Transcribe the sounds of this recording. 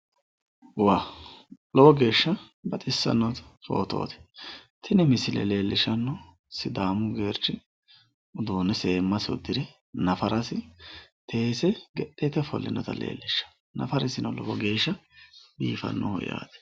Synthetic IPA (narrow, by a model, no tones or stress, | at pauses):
waːlɔbɔɡe̞ːʃːɐ | bɐt̪ʼɪsːɐ̰nːɔt̪fo̞̰ːt̪o̰ːt̪ɛ̥t̪ʰɪnɛmɪsɪlɛ̰le̞ːlːɪʃɐnːɔ | sɪd̪aːmʊɡe̞ːɾt͡ʃːɪ | ʊd̪oːnɛse̞ːmːɐsʊ̰d̪ɪɾɪ | nɐfɐɾɐsɪt̪ʰe̞ːsɛɡɛtːɛt̪ɛfɔlːɪnɔt̪ɐ̰lḛːlːɪʃːɐ̥ | nɐfɐɾɪsɪnɔlɔbɔɡe̞ːʃːɐbḭːfɐ̰nːɔ̰hɔ̰ja̰ːd̪ɛ̥